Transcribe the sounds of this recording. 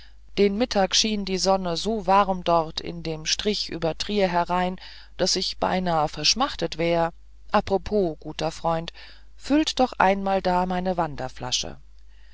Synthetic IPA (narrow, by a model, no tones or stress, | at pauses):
d̥eːnmɪtʰaːkʃiːndiːzɔnəzoːvaʁmdɔʁtʰɪ̰ndeːmʃtʁ̥ɪçʔy̰ːbɐtʁ̥iːəɦɛʁaɪn | d̥asɪçb̥a̰ɪnaːəfɛɐʃmaχtətv̥ɛːʁə | ʔapʁ̥opʰoːɡ̥uːtɐfʁ̥ɔʏnt | fʏltd̥ɔχʔa̰ɪnmaːldaːmaɪnəvandɐfla̰ʃə̰